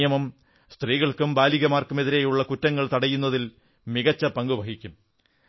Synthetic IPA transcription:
jɐmɐm | st̪riːɣɐɭkumbaːliɣɐmaːrkume̞ðiɾejuɭːɐkutːɐŋːɐɭt̪ɐɽɐjunːɐðil | miɣɐt͡ɕːɐpɐŋɡubʱɐɦikʲːum

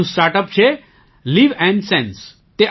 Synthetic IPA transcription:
ũsʈaːɾʈəp̚t͡ʃʰe | liʋɛ̃ɳɖsɛ̃ns | t̪e

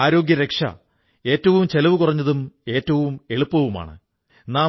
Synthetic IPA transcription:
aːɾo̞ːɡjɐɾekʂɐ̰ | e̞ːtːɐʋumt͡ɕe̞lɐʋukurɐɲːɐðume̞ːtːɐʋume̞ɭupːɐʋuma̰ːɳɨ̰ | naː

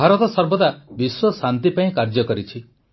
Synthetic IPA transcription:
aɾɔt̪ɔsɔɾbɔd̪abiswɔsant̪̬ipaĩkaɾd͡ʒɔkɔɾit͡ʃʰi

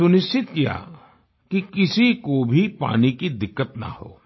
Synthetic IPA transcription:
sʊnɪst͡ʃɪt̪kija̰ː | kikɪsikobʱipa̰ːnikid̪ɪkːət̪nɐ̰ho̰ː

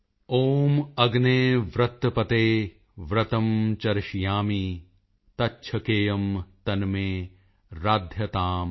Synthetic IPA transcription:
oːmɐɡneːʋɾɐt̪ːpɐt̪eː | ʋɾɐt̪ɐmt͡ʃɐɾʃijaːmi | t̪ɐtːʃʰɐkeːjɐmt̪ɐnmeː | ɾaːd̪ʱjɐt̪aːm

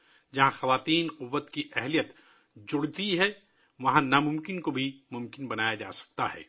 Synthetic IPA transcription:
d͡ʒɐɦãxɐʋaːt̪iːnqʊʋːət̪kiʔɛɦlijət̪ | d͡ʒʊɽt̪iɦɛ | ʋɐɦãnamʊ̃mkɪnkobʱimʊ̃mkɪnbɐnaːjad͡ʒa̰ːsɐ̥k̚t̪aɦɛ̰ː

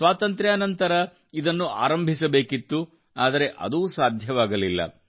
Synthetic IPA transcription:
sʋaːt̪ɐnt̪ɾjaːnɐnt̪ɐɾɐ | id̪ɐnːua̰ːɾɐmbʱisɐbe̞ːkit̪ːu | aːd̪ɐɾe̞ʔɐ̰d̪uːsaːd̪ʱjɐʋaːɡɐlilːɐ̰

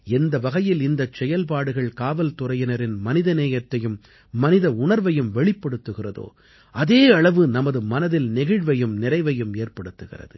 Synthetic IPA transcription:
ɛnd̪ɐʋɐɣɐjɪlɪnd̪ɐt͡ʃɛjɐlp̬aːɽɯɣɐɭkaːʋɐlt̪ʊrɐjɐnɐɾɪnmɐnɪðɐneːjɐt̪ːɐjɯmː | ɐnɪðɐʊɳɐɾʋɐjɯmʋɛɭɪpːɐɽɯt̪ːɯɣɪrɐðo̰ː | ʔɐðeːɐɭɐʋɯnɐmɐðɯmɐnɐðɪlnɛɣɪɻʋɐjɯmnɪrɐɪʋɐjɯmeːrpɐɽɯt̪ːɯɣɪ̰rɐ̰ðɯ

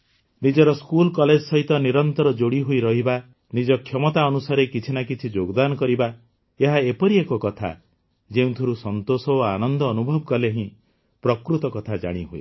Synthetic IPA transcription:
nid͡ʒɔɾɔskulkɔled͡ʒɔsɔɦit̪ɔniɾɔnt̪ɔɾɔd͡ʒoɽiɦuiɾɔɦiba | nid͡ʒɔkʰjɔmɔt̪aɔnusaɾekit͡ʃʰinakit͡ʃʰid͡ʒoɡɔd̪anɔkɔɾiba | eɦaepɔɾiekɔkɔt̪ʰa̰ | d͡ʒeũt̪ʰiɾusɔnt̪osɔanɔnd̪ɔːnubʱɔbɔkɔleɦĩ | pɾɔkɾut̪ɔkɔt̪ʰad͡ʒa̰ɽ̃iɦuḛ

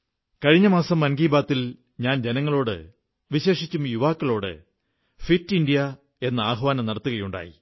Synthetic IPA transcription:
kɐɻiɲːɐmaːsɐmːɐnɡiːbaːt̪ːil | ɲaːnd͡ʑe̞nɐŋːɐɭo̞ːɽɨ̰ | ʋiɕe̞ːʂit͡ɕːumjuʋaːkːɐɭo̞ːɽɨ̰ | fitːindijɐ | e̞nːɐaːɦɐʋaːnɐmnɐɽɐt̪ːuɣɐjuɳɖa̰ːjḭ

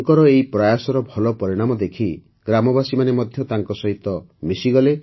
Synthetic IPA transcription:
ŋkɔɾɔeipɾajasɔɾɔbʱɔlɔpɔɾiɽ̃amɔd̪ekʰi | ɡɾamɔbasimanemɔd̪ʱjɔt̪aŋkɔsɔɦit̪ɔmisiɡɔle

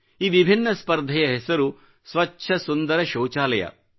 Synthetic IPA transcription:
iːʋibʱinːɐspɐɾd̪ʱɐjɐɦɛsɐɾu | sʋɐtːʃʰɐsund̪ɐɾɐʃɐwt͡ʃaːlɐjɐ̰

